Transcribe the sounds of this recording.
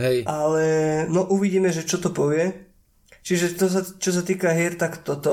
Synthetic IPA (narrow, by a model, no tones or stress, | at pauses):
ɦɛjʔalɛnɔʔuʋiɟiːmɛʒɛt͡ʃɔt̪ɔpɔʋɪɛ | t͡ʃiʒɛt̪ɔs̬at͡ʃɔs̬at̪iːkaɦɪɛɾt̪akt̪ɔt̪ɔ